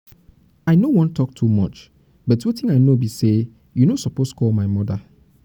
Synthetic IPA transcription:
aɪnowɔ̃ntʰɔk̚tʰumɔ̰t͡ʃ | bɔtwetɪ̃ŋaɪnobise | junosɔpostkʰɔlmaɪmɔdə

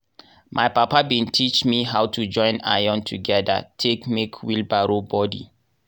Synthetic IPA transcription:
mʔajpapabĩntʰit͡ʃmiɦawtʰud͡ʒɔ̃ɪ̃na̰jɔ̃ntʰuɡɛdə̰tʰekmekʰwilbaɹobɔdḭ

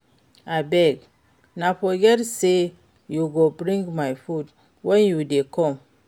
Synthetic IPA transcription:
abɛɡ | nafɔɡɛtse | juɡobɾĩŋɡmajfut̚ | wɛ̃njudekɔ̃m

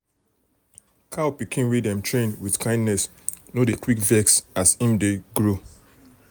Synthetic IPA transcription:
kʰaʊpikʰĩnwidɛ̃mtɹẽnwiθkãɪ̃ndnɛs | nodekwikvɛksasĩmdeɡɹo

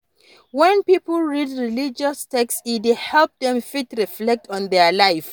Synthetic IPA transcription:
wɛ̃npipəlˠɹidɹilid͡ʒɔstɛksidhɛlˠp̚dɛ̃mfitɹiflɛk̚tʰɔ̃ndɛlaɪf

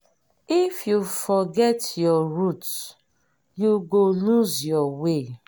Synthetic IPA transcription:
ifjufɔɡɛtjɔɹut | juɡoluzjɔwe

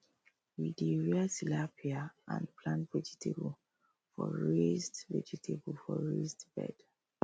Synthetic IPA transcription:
wideɹiasilapʰiaã̰npʰlãntvɛd͡ʒitʰebl | fɔɹestvɛd͡ʒitʰebəlfɔɹestb̥ɛ̰d̥

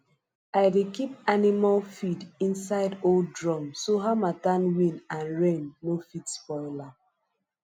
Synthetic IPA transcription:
aɪdekip̚animalfidĩnsaɪdoldɹɔ̃msoɦamatãnwĩnãnɹẽnːofitspɔɪla

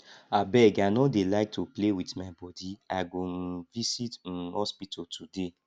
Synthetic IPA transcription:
abɛɡanodelaɪk̚tʰuplewitmabɔdiaɡoŋ̩visitn̩hɔspitʰɔtʰude

